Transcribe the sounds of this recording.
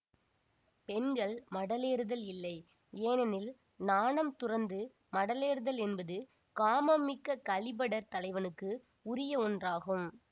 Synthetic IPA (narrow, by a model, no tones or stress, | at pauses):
pɛnɡɐɭmɐɽɐleːɾɯðɐlɪlːɐɪ | eːnɐnɪl | naːnɐmt̪ʊrɐnd̪ɯ | mɐɽɐleːɾɯðɐlɛnbɐðɯ | kaːmɐmːɪkːɐkɐɭɪbɐɽɐt̪ːɐlɐɪʋɐnɯkːɯ | ʊɾɪjɐɔndraːɣɯm